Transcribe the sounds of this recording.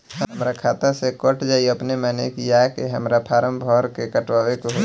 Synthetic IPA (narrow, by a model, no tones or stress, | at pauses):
ɦəmɾakʰaːt̪asekəʈd͡ʒaːiɐpnemɛ̃ːnekijakeɦəmɾapʰaːɾəmbʱɔːɾkekəʈʋaːʋekoɦ